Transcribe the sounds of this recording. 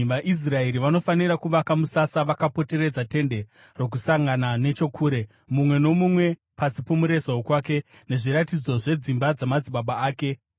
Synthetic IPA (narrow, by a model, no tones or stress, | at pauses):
ʋaʔis̬rae̞ɾiʋano̞faniɾakuʋakamusasaʋakapo̞te̞re̞d͡zate̞nde̞ | ro̞k̬usaŋɡanane̞t͡ʃo̞kʰuːɾe̞ | mumwe̞no̞mumwe̞ | pasipomuɾe̞zaokwake̞ | ne̞ʐiɾatid͡zo̞ʐe̞d͡zimbad͡zamad͡ziɓaɓaaːke̞